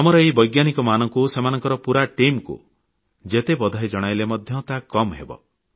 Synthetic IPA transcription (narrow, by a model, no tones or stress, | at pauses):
amɔɾɔeibɔjɡjanikɔmanɔŋkusemanɔŋkɔɾɔpuɾaʈimkṵ | d͡ʒet̪ebɔd̪ʱajd͡ʒɔɽ̃ajlemɔd̪ʱjɔt̪akɔmɦḛbɔ̰